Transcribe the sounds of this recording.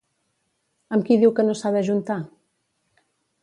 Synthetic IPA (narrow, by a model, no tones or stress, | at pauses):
əmkiðiwkənosaðəʒunt̪a